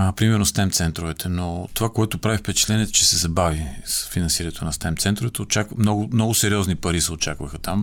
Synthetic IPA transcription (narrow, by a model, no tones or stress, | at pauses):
pɾimɛɾnost̪ɛmt̪sɛnt̪ɾovɛt̪ʰɛnot̪ovakoɛt̪opɾavifpɛt͡ʃɛ̥t̪lɛniɛt͡ʃɛsɛzɐbavisfinɐnsiɾɐnɛt̪onɐst̪ɛmt̪sɛnt̪ɾovɛt̪ɛot͡ʃakvmnɔɡʊmnɔɡʊsɛɾʲiɔznipɐɾisɛot͡ʃakvɐxət̪am